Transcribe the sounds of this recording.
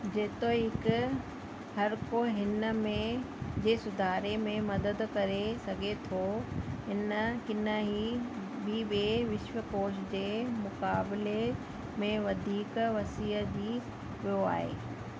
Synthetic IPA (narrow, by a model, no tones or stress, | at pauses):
d͡ʑeːt̪oiɦɪk | hɐɾkoɦɪnəmẽ | d͡ʑeːsʊd̪ʱaːɾemẽmɐd̪əd̪kɐɾesɐɡʱet̪ʰoɦɪnəkɪnəɦiː | biːɓieʋɪʃʋəkoːʃd͡ʑeːmʊkaːbɪle | mẽʋɐd̪ʱiːkʋɐsiːəd͡ʑiː | ʋijoa̰ːɦḛː